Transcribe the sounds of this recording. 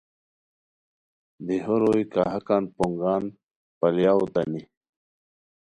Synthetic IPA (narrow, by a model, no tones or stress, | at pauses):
d̪iɦoɾojkaɦakanpoŋɡaːn | paljawt̪ani